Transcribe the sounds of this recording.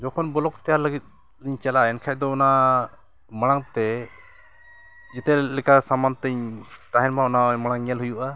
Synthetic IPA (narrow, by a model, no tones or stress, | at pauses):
d͡ʒɔkʰɔnbɔlɔk̚t̪ɛjaɾləɡit̪̚ | liɲt͡ʃalaʔɛnkʰad̪ɔɔna | maɽ̃aŋt̪ɛ | d͡ʒɛt̪ɛlɛkasamant̪əɲt̪aɦɛnmaɔnamaɽ̃aŋɲɛlɦujuʔa